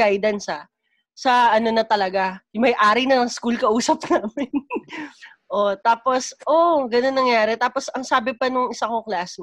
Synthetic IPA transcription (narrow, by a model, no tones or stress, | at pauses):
ajd̪ɐnsɐ | sɐʔɐno̞nɐt̪ɐlɐɡajʊmɐjʔaːɾɐjnɐskulkɐʔuːsɐp̚naːmɪn | ʔo̞t̪aːposʔoɡɐnonːɐŋjaːɾɛt̪aːpo̞sɐŋsaːbɪpɐnʊŋʔɪsɐkoklasn